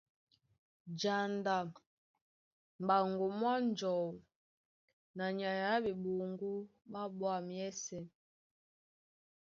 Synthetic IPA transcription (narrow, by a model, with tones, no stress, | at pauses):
d͡ʒa˨nda˨ | m˨ba˨ŋɡu˨mwa˦n˦d͡ʒɔ˨w | na˨ɲa˨ja˦bi˨ɓo˨ŋɡu˦ɓa˦ɓwa˦˨mjɛ˦sɛ˨